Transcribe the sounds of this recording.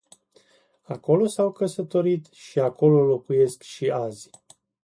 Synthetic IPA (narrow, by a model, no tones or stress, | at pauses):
ako̞lo̞sawkəsət̪o̞ɾit̪ʃiako̞lo̞lo̞kuje̞skʃiaz̥ʲ